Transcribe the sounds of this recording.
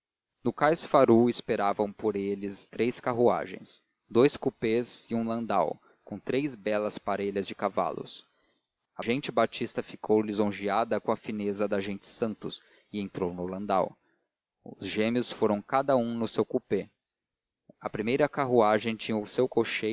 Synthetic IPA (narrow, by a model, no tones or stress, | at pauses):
nʊkajsfaɾuɪspeɾavɐ̃w̃poɾelɪst̪ɾejskaɦua̰ʒḛ̃j̃s | d̪ojskupezɪũlɐ̃nd̪a̰w | kõt̪ɾejzbɛlɐspaɾeʎɐzd͡ʒɪkava̰lʊ̰s | ɐʒẽnt͡ʃɪbat͡ʃist̪ɐfikʰowlizõʒiad̪ɐkõɐfinezɐd̪ɐʒẽnt͡ʃɪ̥sɐ̃nt̪ʊs | ɪẽnt̪ɾownʊlɐ̃nd̪a̰w | ʊzʒẽmiʊsfoɾɐ̃w̃kad̪ɐũnʊsewkupe | ɐpɾimejɾɐkaɦuaʒẽj̃t͡ʃĩɲɐʊsewkoʃe